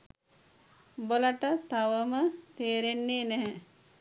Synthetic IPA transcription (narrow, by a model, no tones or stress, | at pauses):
boləʈət̪aʋəmət̪eːɾenːeːnɛɦɛ